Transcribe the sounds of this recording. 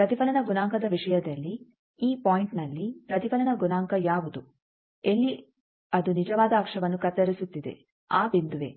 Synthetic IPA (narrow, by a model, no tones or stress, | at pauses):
pɾɐt̪ipɐlɐnɐɡunaːŋkɐd̪ɐʋiʂɐjɐd̪ɐlːi | iːpaːjiɳʈnɐlːipɾɐt̪ipɐlɐnɐɡunaːŋkɐjaːʋud̪u | elːi | ɐd̪unid͡ʒɐʋaːd̪ɐːkʂɐʋɐnːukɐt̪ːɐɾisut̪ːid̪e̞̰ | aːbind̪uʋe̞̰ː